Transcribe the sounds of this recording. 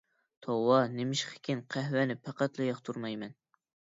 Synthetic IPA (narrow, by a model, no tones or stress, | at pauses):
t̪ʰowɑnɪmɪʃqʰə̥kʲʰinqʰæhwɛnɪpʰæqæt̪lˠɨjɑqt̪ʰuɾmɑjmɛn